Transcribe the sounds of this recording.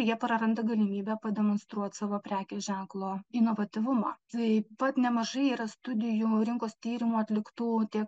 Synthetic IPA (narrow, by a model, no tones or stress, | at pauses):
jiɛpɾɐɾɐnd̪ɐɡɐlʲɪmʲiːbʲæpɐd̪ʲɛmonst̪ɾuɔt̪ʲsɑːʋoːpʲɾʲæːkʲeʒʲæŋklˠoːɪnoːʋɐt̪ʲɪʋʊmɑːt̪ɐɪpɐt̪nʲɛmɐʒɐɪiːɾɐst̪ʊd̪ʲɪjuːɾʲɪŋkoːst̪ʲiːɾʲɪmuːɐt̪ʲlʲɪkt̪uːt̪ʲiɛk